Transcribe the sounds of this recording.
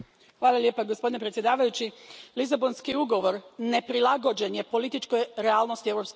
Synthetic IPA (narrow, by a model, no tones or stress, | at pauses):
xʋaːlˠalʲje̞ːpaɡospod̪inepɾet̪sjed̪aːʋajut͡ɕilizabo̞nskiuɡo̞ʋo̞ɾne̞pɾilˠaɡo̞d͡ʒe̞nje̞po̞lit̪it͡ʃkojɾeaːlˠnost̪ieʋɾo̞psk